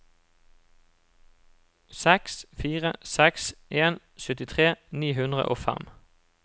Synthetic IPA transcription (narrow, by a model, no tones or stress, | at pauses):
sɛksfiːʁəsɛksʔeːn | sʏt̪ɪt̪ʰʁeːniːhʉnd̪ʁə̰ʔoːfæ̰m